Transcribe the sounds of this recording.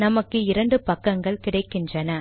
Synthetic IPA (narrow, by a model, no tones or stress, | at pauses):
nɐmɐkːɯɪɾɐɳɖɯpɐkːɐŋɡɐɭkɪɽɐɪkːɪndrɐnɐ